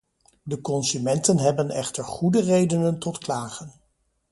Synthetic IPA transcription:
dəkɔnsymɛntənɦɛbənɛ̰χtəɹχudərejdənəntɔtklaːχən

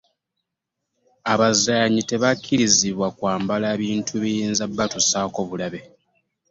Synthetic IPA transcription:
aβazaɲite̞βakʰːiɾiziβwakwaːmbalaːβiːntʰuβijiːnzabːatosaːko̞βulaβe̞

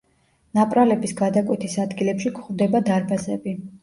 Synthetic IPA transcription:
napʼɾalɛbisɡad̪akʼwɛt̪ʰisad̪ɡilɛpʃikʰχvd̪ɛbad̪aɾbasɛbi

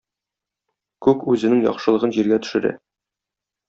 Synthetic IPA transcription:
kʉkʉzɘ̆nɘŋjɒ̰χʃɤ̆lˠɤ̆ʁɤnʑiɾɡæt̪ɵ̥̆ʃɘ̆ɾæ̰

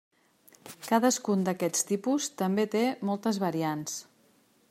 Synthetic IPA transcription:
kaðəskund̪əkɛt͡st̪ipust̪əmbet̪emɔlˠt̪əzβəɾians

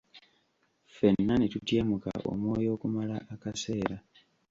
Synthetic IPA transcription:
fe̞nːanetutje̞ːmuka̰ʔo̞̰mo̞ːjo̞ːkumalaʔːkase̞ːɾa

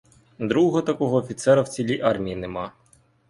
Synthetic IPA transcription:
d̪ɾuɦɔt̪ɐkɔɦɔːfʲit̪sɛɾɐwt͡sʲilʲiʔɑrmʲijinemɑ

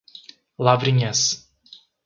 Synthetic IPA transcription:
lˠavɾiɲʲɛs

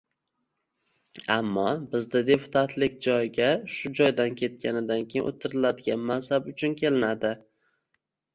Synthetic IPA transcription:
amːɒbɪzd̪ɪd̪e̞pʰʊ̥t̪ʰat̪ʰlɪkʲd͡ʒɒjɡʲaʃʊd͡ʒɒjd̪ankʲʰe̞t̪̚kʲʰanɪd̪ankʲejɪnʔo̰t̪ʰɪɾɪlad̪ɪɡʲanmansabʊt͡ʃʰʊnkʲʰe̞lɪnad̪ɪ

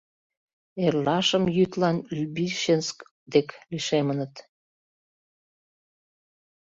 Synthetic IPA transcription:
erlɑʃəmjyt̪lɑnlybiʃensk | d̪ekliʃemənət̪

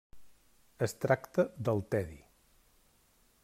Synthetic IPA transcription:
əst̪ɾakt̪əd̪əlˠt̪ɛðḭ

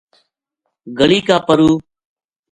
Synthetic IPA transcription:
ɡəɭiːkaːpəɾuː

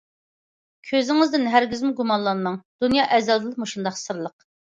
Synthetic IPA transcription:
kʲʰøzɪŋɪzd̪ɪnɦæɾɡʲizmɪɡumɑnlˠɑnmɑŋd̪̥unjɑːʔɛzɑd̪ɨlˠəqmuʃund̪ɑχsɨɾlˠəq

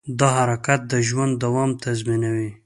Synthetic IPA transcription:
d̪ɑɦaɾakat̪̚d̪əʒwand̪ːawɑmt̪azminawi

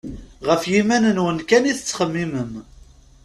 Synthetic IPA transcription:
ʁəfjimænənwənkæniθət͡sːχəmːiməm

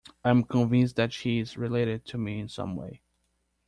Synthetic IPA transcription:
ãɪ̃mkʰə̃nvɪ̃nsðɨtʃizɹileɪɾɨd̚tʰɨmiɨ̃nsʌ̰̃mwḛɪ

